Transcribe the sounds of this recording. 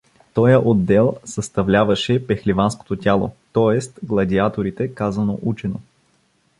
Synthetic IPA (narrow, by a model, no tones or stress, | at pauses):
t̪ɔjəʔod̪ːɛlˠsɐst̪ɐvlʲavɐʃɛpɛxlʲivansko̥t̪ot̪ʲalˠo̰t̪ɔɛst̪ɡlˠɐd̪ʲiat̪oɾit̪ɛkazɐno̰ʔut͡ʃɛno̰